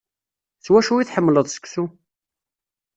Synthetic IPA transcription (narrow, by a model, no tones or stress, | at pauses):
swæʃuiθħəmːləðˤsə̥ksu